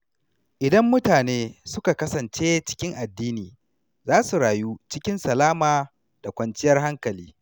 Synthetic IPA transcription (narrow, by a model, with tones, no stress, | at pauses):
ʔɪ˨dɐ˦mːʊ˦taː˨neː˦sʊ˦ka˨kɐ˦sɐ˨nt͡ʃeː˦t͡ʃɪ̥˦kʲɪ˦ŋʔa˨dːiː˦niː˨ | zaː˦su˨ɽaː˨ju˦t͡ʃɪ˦kʲɪ˦nsɐ˨laː˦maː˨ | d̥a˨kʷɐ˨nt͡ʃɪ˦jɐ˦rha˦ŋkɐ˨liː˦